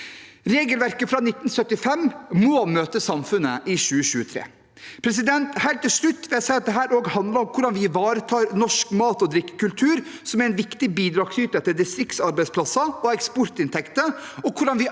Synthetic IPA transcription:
ɾeːɡəlʋæɾkəfɾɑːnɪt̪ːnsœt̪ːɪfɛmmomøːt̪əsɑmfʉnːəʔɪɕʉːəɕʉːət̪ʰɾḛː | pʰɾɛs̬ɪd̪ɛnt̪hæɪlt̪ːɪlʂɭʉt̪ːʋɛːsæɪɑt̪̚d̪ɛɦæːɾoːɡhɑnd̪ləɾɔmkʰʊɖɑnʋɪʋɑːɾət̪ʰɑːɾnɔʂkmɑːt̪ɔd̪ɾɪkːə̥kʉlt̪ʰʉːɾsɔmæɾɛnʋɪkt̪ɪbiːd̪ɾɑːɡsyːt̪əɛt̪ːəd̪ɪst̪ɾɪkt̪sɑɾbæɪspʰlɑsəɔɛkspɔɾt̪ɪnt̪ʰɛkt̪əɔkʰʊɖɑnʋɪ

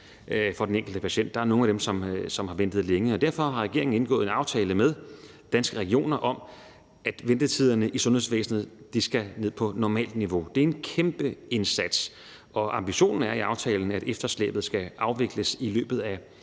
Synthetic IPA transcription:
fɒ̽deneŋɡ̥l̩d̥əpʰæɕen̰d̥ːɑ̈æɐno̝ːŋ̩æd̥emsɒ̽msɒ̽mhɑ̈ʋen̰d̥ð̩ˠleŋəɒ̽d̥æɐ̰fɒ̽ɦɑ̈ʁɛɡ̥e̝ɐ̰eŋn̩e̝nɡ̥ɔ̰̽ːð̩ˠe̝nɑ̈ʊt͡sʰɛːləmeð̞ˠ | d̥ænsɡ̥əʁɛɡio̝̰ːnɐʔɒ̽m | æd̥ʋend̥ət͡sʰið̞̰ˠɐnəʔisɔ̽nhe̝sʋḛːsn̩ð̩ˠd̥isɡ̥æne̝ð̞̰ˠpʰɒ̽nɒmɛ̰ːld̥niʋo̝d̥e̝æɐe̝nkʰemb̥əe̝nsæd̥s | ɒ̽ʔɑ̈mb̥iɕo̝̰ːnn̩æɐiɑ̈ʊt͡sʰɛ̰ːln̩æɾ̥efd̥ɐslḛːb̥ð̞̩ˠsɡ̥æʔɑ̈ʊʋe̝ɡ̥ləsilø̰ːb̥ð̩ˠæ

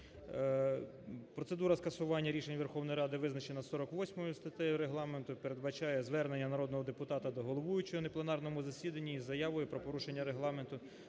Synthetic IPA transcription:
pɾɔt̪se̞d̪uɾɐskɐsʊʋɑnʲːɐɾʲiʃenʲʋerxɔwnɔjɾɑd̪ɪʋɪznɐt͡ʃenɐsɔɾɔkʋɔsʲmɔjʊst̪ɐt̪ɛjʊɾeɦlˠɑme̞nt̪ʊpeɾe̞d̪̚bɐt͡ʃɑjɛzʋɛrnenʲːɐnɐɾɔd̪nɔɦɔd̪epʊt̪ɑt̪ɐd̪ɔɦɔlˠɔʋujʊt͡ʃɔɔneplˠenɑrnɔmʊzɐsʲid̪ɐnʲːiːzɐjɑʋɔjʊpɾɔpɔɾuʃe̞nʲːɐɾeɦlˠɑment̪ʊ

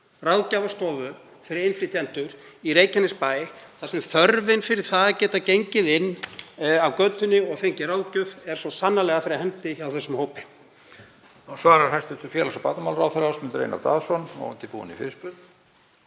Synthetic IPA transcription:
rawðcavast̪ɔvʏ | fɪɾɪɾenflɪt̪ʰjɛnt̪ʏɾ̥ireːjcanɪspaːjɪθasɛmθœɾvɪnfɪɾɪɾ̥θaðacɛːt̪acejɲcɪðɪnːawkœt̪ʏnːɪɔɣθejɲcɪrawlcʏvɛɾ̥sɔsanːalɛɣafɪɾɪɾahɛmt̪ɪawθɛsʏmhoːwpɪ | svaːɾaɾ̥hajst̪ʏht̪ʏɾfjɛːlasɔpaːt̪namalɾawθɛɾasmɪnt̪ʏɾḛjna̰ɾt̪a̰ːðsɔnɔ̰ɣʏ̰nt̪ɪpṵːʏ̰nḭfɪ̰ɾspɾʏt̪

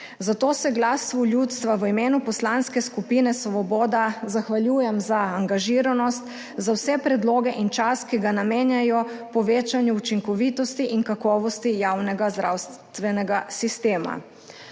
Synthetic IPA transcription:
zat̪oːsɛɡlasʋɔljut̪st̪ʋaʋəimeːnupɔslanskɛskupiːnɛsʋɔbɔːd̪azaxʋaljuːjɛmzaːŋɡaʒiːɾanɔst̪ | zawsɛpɾɛd̪loːɡɛʔint͡ʃaskiɡanameːnjajɔpɔʋeːt͡ʃanjuut͡ʃiŋkɔʋit̪ɔst̪iʔiŋkakɔːʋɔst̪ijawnɛɡazd̪ɾawst̪ʋɛnɛɡasist̪eːma̰

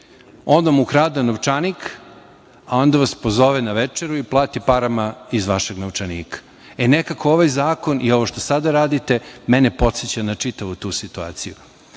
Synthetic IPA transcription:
o̞nd̪amukɾaːd̪anoʋt͡ʃanik | ao̞nd̪aʋaspozo̞ʋenaʋet͡ʂeɾuiplˠaːt̪ipaɾamaizʋaʃeɡnoʋt͡ʃaniːkḁ | enekako̞oʋajzaːko̞nʔio̞ʋoʃt̪osad̪aɾaːd̪it̪e̞mɛnepo̞t̪set͡ɕanat͡ʂit̪aʋut̪uːsit̪ua̰ːt̪siju

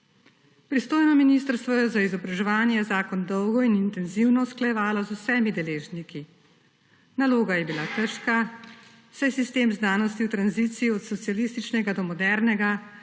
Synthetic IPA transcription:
pɾist̪oːjnɔminist̪əɾst̪ʋɔjɔzaizɔbɾaʒɛʋaːnjɛjɛzaːkɔnd̪ɔwɡɔinint̪ɛnziwnɔsklajɛʋaːlɔzusɛmid̪ɛleːʒniki | naloːɡajɛbilakəɾʃka | sajɛsist̪eːmznaːnɔst̪iwt̪ɾanziːt̪siiɔt̪sɔt̪sialist̪it͡ʃnɛɡad̪ɔmɔd̪ɛɾnɛɡa

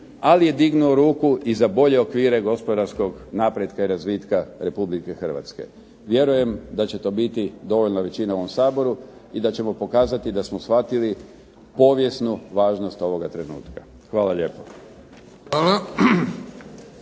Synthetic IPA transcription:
alije̞d̪iɡnuoɾuːkuizabo̞ʎe̞o̞kʋiːɾe̞ɡo̞spo̞d̪aɾsko̞ɡnapɾjed̪kaiɾazʋiːt̪kaɾe̞publike̞xr̩ʋa̰t̪ske̞̰ | ʋje̞ɾuje̞md̪at͡ɕe̞t̪o̞ːbit̪id̪o̞ʋo̞ʎnaʋe̞t͡ɕinaoʋomsaːbo̞ɾu | id̪at͡ɕe̞mo̞po̞kaːzat̪id̪asmosxʋat̪ili | po̞ːʋje̞snuʋaːʒnost̪o̞ʋo̞ɡat̪ɾe̞nṵːt̪kḁ | xʋaːlaʎepo | ala

